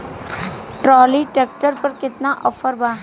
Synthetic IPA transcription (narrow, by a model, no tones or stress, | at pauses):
ʈɾɔːliʈeːk̚ʈəɾpɐɾkɪt̪naʔəfʰəɾbaː